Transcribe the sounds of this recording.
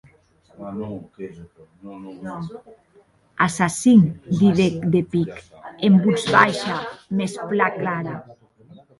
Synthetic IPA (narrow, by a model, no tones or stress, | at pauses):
asasind̪iðekd̪epik | embuzβajʃamesplaklaɾa